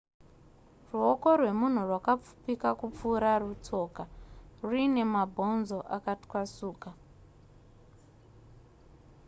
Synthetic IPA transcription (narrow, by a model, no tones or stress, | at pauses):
ruoko̞rwe̞mun̤urwakap͡fu̥pikakup͡fuːɾarut͡so̞ːkaruine̞mabʱo̞nzo̞ʔakatwasuːka